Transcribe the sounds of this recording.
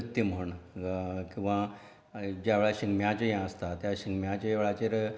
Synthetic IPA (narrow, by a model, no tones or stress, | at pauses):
t̪ːim̤əɳ | kĩw̃ʋa | d͡ʑjaʋeɭaɕiŋɡmjãt͡ɕejãəst̪at̪jaɕiŋɡmjãt͡ɕaʋeɭat͡ɕeɾ